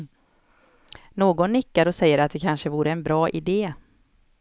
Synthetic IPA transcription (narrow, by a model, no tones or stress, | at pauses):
noːɡɔnːɪkːaɾɔsɛjːəɾat̪̚d̪ɛkʰanʂəvuːɾəɛnbɾɑːʔɪd̪eː